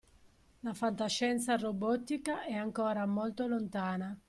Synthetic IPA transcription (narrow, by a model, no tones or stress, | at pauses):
lafant̪aʃːɛnt̪sarobɔt̪ːikaʔɛaŋkɔːɾamolt̪olont̪aːna